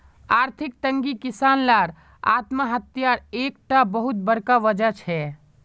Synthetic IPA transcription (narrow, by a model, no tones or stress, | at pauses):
aɾt̪ʰik̚t̪əŋɡikisanlaɾ | a̰t̪maɦət̪jaɾek̚ʈabəɦut̪̚bəɾkaʋəd͡ʒət͡ʃʰɛ